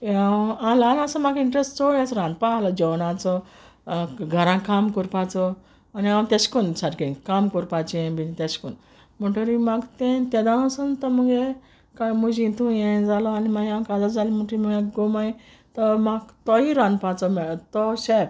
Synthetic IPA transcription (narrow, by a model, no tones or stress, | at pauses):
aalanasəmaɡiɳʈɾesʈt͡sɔɽasɾãnd̪̚palɔd͡ʑɔwnãt͡sɔ | ɡʱəɾãkamkuɾpat͡sɔ | aniãwt̪eskunsaɾkinkamkuɾpat͡ɕiẽbinit̪eskun | muʈəɾimaɡt̪ẽt̪ɛd̪ãnəsənt̪ɔməɡe | kamud͡ʑĩnt̪ʰũjẽd͡zalɔanimaɡãkad͡zad͡zalimuʈɾiməɡeɡomai | t̪ɔmaɡt̪ɔɦiɾãnd̪pat͡sɔmɛt̪ɔɕe